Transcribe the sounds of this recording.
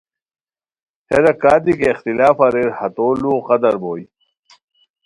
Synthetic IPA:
heɾɐkaːd̪ikeːxt̪ilaːfɐɾeɾhɐt̪oːluːqɐd̪ɐɾboːj

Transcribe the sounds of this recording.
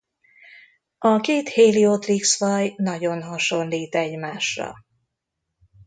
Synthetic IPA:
ɒkeːt̪heːliot̪riksʋɒjnɒɟo̞nɦɒʃo̞nliːt̪ɛɟmaːʃrɒ̰

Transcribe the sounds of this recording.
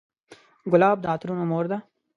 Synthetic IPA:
ɡʊlɑːb̚d̪aːt̪ɾunomoːɾd̪a

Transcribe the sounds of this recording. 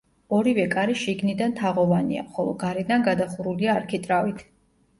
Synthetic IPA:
ɔɾivɛkʼaɾiʃiɡnid̪ant̪ʰaʁɔvania̰χɔlˠɔ̰ɡaɾɛd̪anɡad̪aχuɾuliaːɾkʰit̪ʼɾavit̪ʰ

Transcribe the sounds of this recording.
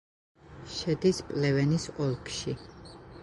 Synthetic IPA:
ʃɛd̪ispʼlɛvɛnisɔlˠkʰʃi

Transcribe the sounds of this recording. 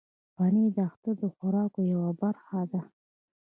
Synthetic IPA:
panid̪əaxt̪ad̪əxaɾɑkojawabaɾxad̪a

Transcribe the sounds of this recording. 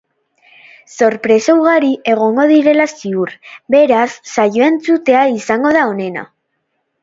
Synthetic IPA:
so̞ɾpɾe̞sowɣaɾiʔe̞ɣ̞o̞ŋɡo̞ðiɾe̞lasiuɾbe̞ɾasːajo̞e̞nt͡sut̪e̞aisaŋɡo̞ð̞ao̞ne̞na̰

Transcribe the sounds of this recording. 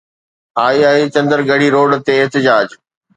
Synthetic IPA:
aːiaːit͡ɕɐ̃nd̪əɾɡɐɽ̤iɾoːɖt̪eɪɦt̪ɪd͡ʑaːd͡ʑ

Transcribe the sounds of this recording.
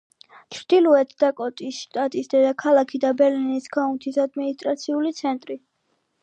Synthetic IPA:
t͡ʃʰɾd̪̥ilˠuɛt̪ʰd̪akʼɔt̪ʼisʃt̪ʼat̪ʼisd̪ɛd̪akʰalˠakʰid̪abɛɾlinisɡaunt̪ʰisad̪minist̪ʼɾat̪sʰiulit̪sʰɛnt̪ʼɾi

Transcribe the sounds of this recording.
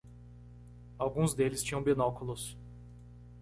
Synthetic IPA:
awɡũzd̪elɪst͡ʃĩɲɐ̃w̃binɔkulʊs

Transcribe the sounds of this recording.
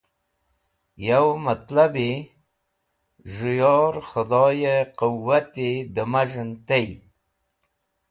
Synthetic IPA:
jawmat̪labe | ʒʊjɑɾxʊd̪ɑjeqʊwːat̪ed̪əmaʒənt̪aj

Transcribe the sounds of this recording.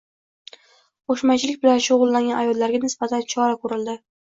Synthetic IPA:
qoʃmat͡ʃʰɪlɪk̚ʲbɪlanʃʊʁʊlˠːaŋɡʲanajɒd̪laɾɡʲanɪsb̥at̪ʰant͡ʃʰɒɾakʰɵɾɪld̪ɪ

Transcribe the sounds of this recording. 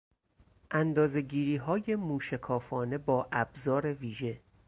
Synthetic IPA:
ʔænd̪ɒːze̞ɟiːɾiːɦɒːje̞muːʃekʰɒːfɒːne̞bɒːʔæbzɒːɾe̞viːʒe̞

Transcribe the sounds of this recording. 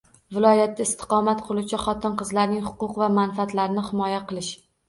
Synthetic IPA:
vɪlˠɒjat̪ːaɪst̪ʰɪ̥qɒmat̪qʰɨlˠut͡ʃʰaχɒt̪ʰɪnqʰɨzlaɾnɪŋhʊ̥qʊqvamanfaat̪laɾɪnɪhɪmɒjaqʰɨlˠɪʃ

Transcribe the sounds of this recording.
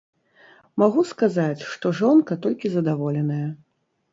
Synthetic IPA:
maɣuskazat͡sʲʂt̪ɔʐɔnkɐt̪ɔlʲkʲizɐd̪avɔlʲɛnɐjɐ

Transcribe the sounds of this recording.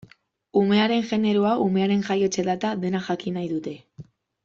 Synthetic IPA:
ume̞aɾe̞nʝe̞ne̞ɾoaume̞aɾe̞ŋʝajo̞t͡ʃe̞ðat̪aðe̞naʝakinajðut̪e̞

